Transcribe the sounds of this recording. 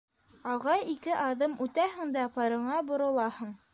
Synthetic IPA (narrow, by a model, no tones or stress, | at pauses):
ɑʁɑjikɘʔɑðɤmʔʉt̪æɦɘ̆ŋd̪æpɤ̆ɾɤ̆ɴɑbŏɾŏlˠɑhɤɴ